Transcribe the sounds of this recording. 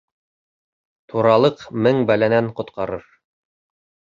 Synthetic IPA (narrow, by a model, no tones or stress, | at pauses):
t̪ʰuɾɑlˠɤqmɘŋbælænæɴqŏt̪qɑɾɤɾ